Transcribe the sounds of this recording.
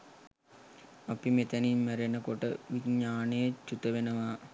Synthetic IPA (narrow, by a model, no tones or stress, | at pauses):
ɐpimet̪ənimːæɾenəkoʈəʋiɲaːnejət͡ʃːut̪əʋenəʋa